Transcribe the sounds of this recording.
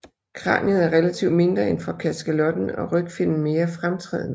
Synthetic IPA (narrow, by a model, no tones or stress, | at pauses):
kʰʁɑ̰̈ːnið̩ˠæɐʁelæt͡sʰiʊd̥me̝nd̥ʁɐenfɒ̽kʰæsɡ̥ælɒ̽d̥n̩ɒ̽ʁœɡ̥fen̰n̩me̝ːɐfʁamt͡sʰʁɛ̰ːð̰ˠnə